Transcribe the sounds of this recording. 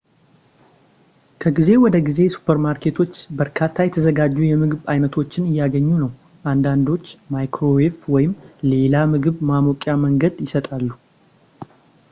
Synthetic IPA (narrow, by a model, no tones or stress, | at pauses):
kʰəɡize̞wɔd̪əɡize̞su̥pʰəɾmaɾkʰe̞t̪ʰo̞t͡ʃːbəɾkʰat̪ʰːajɛt̪ʰəzəɡad͡ʒːujɛmɨɡɨβajnət̪ʰo̞t͡ʃːɪnɨjːaɡəɲːunəw | ʔand̪and̪o̞t͡ʃːmajkʰɾo̞weft̪wɔjɪmle̞lamɨɡɨβmamokʼjaməŋɡəd̪jɪsət̪ʼalːu